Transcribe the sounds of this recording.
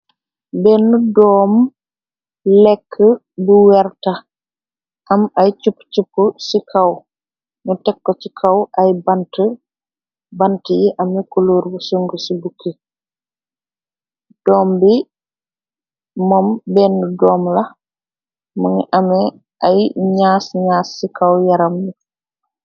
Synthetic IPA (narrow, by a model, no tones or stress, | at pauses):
bɛːnːudɔːm | lɛkʰːə | buwɛɾtɐ | ʔamajt͡ʃupːt͡ʃupːusikʰaw | nutɛkːɔt͡ʃikʰawʔajbantə | bantijiʔɐmɛkuloːɾbusuŋɡəsibukʰːe | d̥ɔːmbi | mɔmbɛndudɔːmlɐ | məŋiʔamɛ | ajɲaːsɲaːsːikʰawjaɾɐmːi